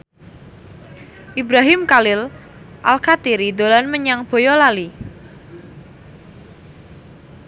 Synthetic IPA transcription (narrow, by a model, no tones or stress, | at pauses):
ʔibɾaɦɪmkalɪl | ʔalkat̪iɾid̪o̤lanməɲaŋb̥o̤jɔlali